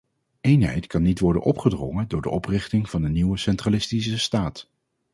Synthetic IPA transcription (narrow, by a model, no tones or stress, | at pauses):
ejnɦɛ̰jtkɑnːitʋɔɹdə̰nʔɔpχədrɔ̰ŋəndʊːɹdəʔɔprɪχtɪŋv̥ɑndəniwəsɛntralɪstis̬əstaːt